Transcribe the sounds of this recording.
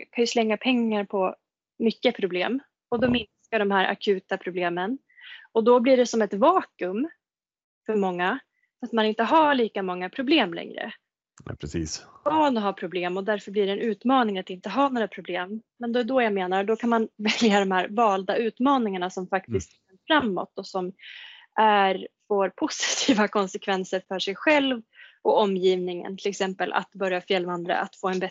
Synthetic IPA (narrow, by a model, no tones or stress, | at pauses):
kʰanjɵslɛŋːapʰɛŋːaɾpʰɔ | mʏkːəpʰɾʊblḛːm | ɔd̪ɔmɪnskaɖɔmhæːɾʔa̰kʰʉ̟ːt̪apʰɾʊbleːmən | ɔd̪ɔbliɖɛsɔmɛt̪vɑːkɵm | fœɾmɔŋːa | at̪manɪnt̪əɦaɭiːkamɔŋːapʰɾʊbleːmlɛ̰ŋɾə̰ | ɛ̰pɾɛsḭːsɔnɔɦapʰɾʊbleːmɔd̪æɾfœɾbliːɖɛnʉ̟ːt̪mɑːnɪŋat̪ɪnt̪əɦaɳoːɾapʰɾʊbleːmː | ɛnd̪ɛd̪ɔjameːnaɾd̪ɔkʰanmanvɛljad̪ɔmhæːɾvɑːld̪aʉ̟ːt̪mɑːnɪŋaɳasɔmfakt̪ɪst̪ɛnfɾamːɔ̰t̪ːɔsɔm | ʔæɾfoːɾpʰʊsɪ̥t̪ʰiːvakʰɔnsɛkʰvɛnsəɾfœʂɛjɧɛlvɔɔmːjiːvnɪŋə̰nt̪ʰɪlɛksɛmpəlʔa̰t̪bœɾjafjɛlvand̪ɾa̰ʔat̪foːɛnbɛ